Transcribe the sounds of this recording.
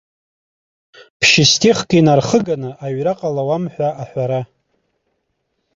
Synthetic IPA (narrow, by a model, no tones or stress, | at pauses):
pʰʃɪstʰʼiχkʼinarχəɡanɨʔaɥraqʼalawamħʷᶣaʔaħʷaɾa